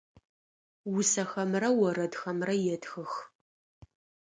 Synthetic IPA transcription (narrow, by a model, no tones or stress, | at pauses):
wʊsɐxɐmrɐwɔrɐdxɐmrɐjɛdxɨx